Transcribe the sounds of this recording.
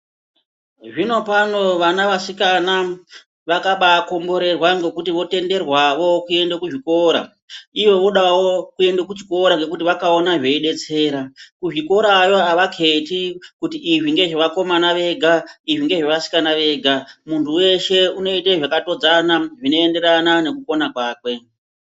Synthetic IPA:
ʐino̞pano̞ʋanaʋasikana | ʋakaɓako̞mbo̞ɾe̞rwaŋɡe̞kutiʋo̞te̞nde̞rwaʋo̞kue̞ndekuʐiko̞ɾa̰ | iʋo̞ʋo̞ɗawokue̞ndekut͡ʃi̥ko̞ɾaŋɡe̞k̬utiʋakaonaʐe̞iɗe̞t͡se̞ːɾakuʐiko̞ɾajo̞aʋakʰe̞tikutiːʐiŋɡe̞ʐiʋako̞manaʋe̞ɡʱaiʐiŋɡe̞ʐeʋasi̥kanaʋe̞ɡʱamuntʰuwe̞ʃe̞uno̞iteʐakatod͡zanaʐino̞ende̞ɾanane̞kuko̞nakwaːkwe̞

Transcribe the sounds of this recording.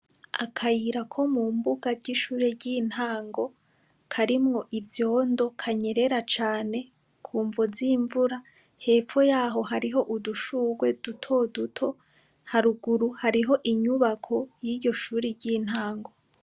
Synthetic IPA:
akʰajiɾakʰo̞muːmbuɡaɾɟiʃuːɾeɾɟin̥haːŋɡo̞ | kʰaɾimŋo̞ʔivjo̞ːndo̞kʰaɲe̞ɾe̞ɾat͡ʃaːne̞ | kʰuːɱvoziːɱvuɾa | he̞ːfo̞jaːɦo̞ɦaɾiɦo̞ʔuduʃuːɡwe̞d̥utʰo̞dutʰo̞ | haɾuɡuɾuhaɾiɦo̞ʔiɲuβakʰo̞jiːɟo̞ʃuːɾiɾɟin̥haːŋɡo̞

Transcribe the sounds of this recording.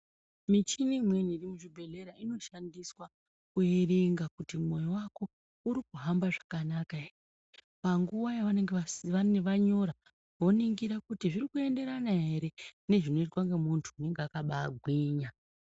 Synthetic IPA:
mit͡ʃinimwe̞nirimuʐibʱe̞le̞ɾaino̞ʃandiswa | kuiriŋɡakutimo̞jowako̞ | uɾikuɦambaʐḁkanaka | paŋɡuʋajaʋane̞ŋɡeaaneʋaɲo̞ɾa | ʋo̞niŋɡiɾakutiʐiɾikue̞nde̞ɾanaɦe̞ɾe̞ne̞ʐino̞itwaŋɡe̞muntʰuːne̞ŋɡeakaɓaːɡʱwiːɲa

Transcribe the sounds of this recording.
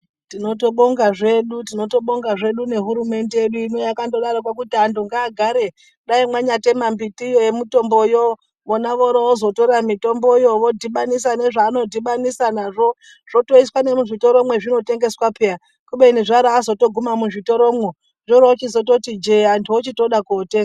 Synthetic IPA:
tino̞to̞ɓoŋɡaʐe̞ɗutino̞to̞ɓo̞ŋɡaʐe̞ɗune̞ɦuɾume̞nde̞jeɗuinojakandoɗaɾakwak̬utianduŋɡaːɡʱaɾe̞ | ɗaimwaɲate̞mambitijojemito̞mbo̞jo | monaʋoɾoozo̞to̞ramito̞mbo̞joʋo̞dʱiɓanis̬ane̞ʐaːno̞dʱiɓanisanaʐo̞ | ʐ̥o̞to̞iswane̞muʐito̞ɾomwe̞ʐino̞te̞ŋɡe̞swapʰeja | kuɓeiniʐaɾaːzoto̞ɡʱumamuʐito̞ɾo̞mwe | ʐoɾoot͡ʃizo̞to̞tid͡ʒeantʰuot͡ʃito̞ɗakoːteŋɡa

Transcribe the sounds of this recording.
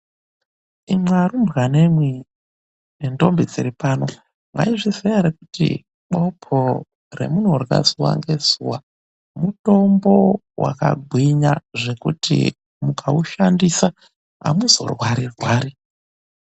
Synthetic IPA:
imwarumbɣanemwi | nendo̞mbid͡ziɾipaːno̞ | ŋa̰iʐizejaɾekutḭ | ɓo̞pʰo | re̞̰munorika̰zuwa̰ŋɡe̞z̥uwa | muto̞mbo̞ | wa̰ka̰ɡʱwiɲaʐe̞kutʰḭ | mukʰauʃandisa | ɦa̰muzo̞̰rwaɾirwaːɾi

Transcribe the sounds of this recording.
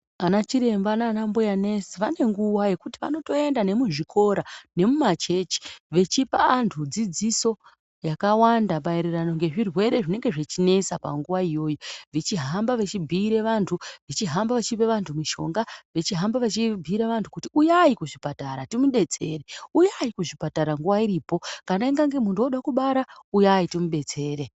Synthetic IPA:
anat͡ʃiɾe̞mbaːnaːnambojane̞siʋane̞ŋɡuwaje̞kutiʋa̰no̞to̞e̞ndane̞muʐikʰo̞ɾane̞mumat͡ʃe̞t͡ʃi̥ʋe̞t͡ʃipa̰ːntʰud͡zid͡ziso̞ | jakawandaɓaiɾerano̞ŋɡe̞ʐirwe̞ɾe̞ʐine̞ŋɡe̞ʐet͡ʃine̞sapa̰ŋɡuʋaijo̞ːjoʋet͡ʃiɦambaʋet͡ʃibʱiːɾeʋantʰuʋet͡ʃiɦambaʋat͡ʃipeʋantʰumiʃo̞̰ŋɡaʋet͡ʃiɦambaʋat͡ʃibʱiːɾeʋantʰukutiujaikuʐipataɾatimuɗe̞t͡se̞reujaikuʐipataɾaŋɡuwaiɾiːpo̞kanaiŋɡaŋɡemundoɗakuɓaɾaujaitimuɓe̞t͡se̞ːɾe̞

